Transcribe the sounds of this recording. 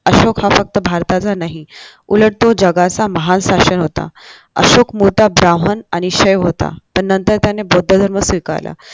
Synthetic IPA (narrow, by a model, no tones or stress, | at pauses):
əɕokhafək̚t̪əbʱaɾt̪at͡sanaɦi | uləɽ̚t̪od͡ʑəɡat͡saməɦansaɕənɦot̪a̰ | ə̰ɕokmut̪abɾaɦənañiɕəjʋɦot̪a̰pəɳnənt̪əɾt̪janebod̪ʱːəd̪ʱəɾməsika̰ɾla̰